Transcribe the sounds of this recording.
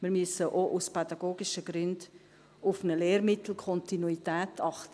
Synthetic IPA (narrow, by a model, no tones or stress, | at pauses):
mɪɾmyəsəʔoʔuspʰɛdɑɡ̥oːɡiʃəɡ̥ɾʏnd | ʊfnəleːɾmɪtʰl̩kʰɔntinuitɛːtʰɑχtə